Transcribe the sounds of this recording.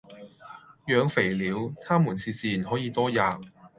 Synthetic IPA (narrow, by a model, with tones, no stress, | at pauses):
jœː˨˧ŋfe˨˩jliː˨˥wt̪ʰaː˥muː˨˩nsiː˧t͡siː˨˩nɦɔː˨˥jiː˨˧t̪ɔː˥jaː˨˧k̚